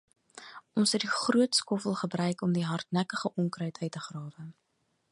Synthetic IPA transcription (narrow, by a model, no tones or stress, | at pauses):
ʔɔnsɦət̚diχruətskɔfəlˠχəbrœɥkɔmdiɦɐrtnækəχəʔɔŋkrœɥtœɥtəχrɑːvə